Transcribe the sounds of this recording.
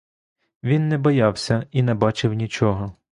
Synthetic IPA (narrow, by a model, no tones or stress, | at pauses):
ʋʲinːɛbɔjɑwsʲɐinɛbɑt͡ʃɪwnʲit͡ʃɔɦɔ